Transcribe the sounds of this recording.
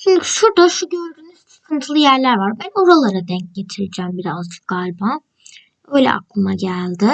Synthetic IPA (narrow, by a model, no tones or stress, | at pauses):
ʃimd̪ɪcʃuɾd̪aʃuɟøɾd̪yːnyz̥sɯ̥kʰɯnt̪ʰɯlˠɯjæɾlʲæɾvaɾbæno̞ɾalˠaɾad̪ɛɲc̚ɟe̞t̪ʰiɾed͡ʒæːmbiɾazd͡ʒɯ̥k̚ɡalʲba | ø̞jlʲɛ̰ʔa̰klˠɯmaɟælʲd̪ɪ